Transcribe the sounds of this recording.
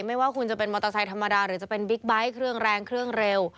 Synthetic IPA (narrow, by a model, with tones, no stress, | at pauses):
ma˥˩jwaː˥˩kʰu˧nt͡ɕa˨˩pe˧nmɔ˧t̪a˧sa˨˧˥jt̪ʰa˧mːa˧daː˧ɾɯː˩˦t͡ɕa˨˩pe˧nbi˦˥k̚ba˦˥jkʰɾɯ˥˩əŋɾɛː˧ŋkʰɾɯ˥˩əŋɾe˧w